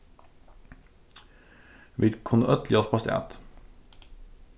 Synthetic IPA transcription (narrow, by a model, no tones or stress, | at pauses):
ʋiːd̪kʰʊnəœt̪lɪɔspʰɑst̪ːʔæ̰ːt̪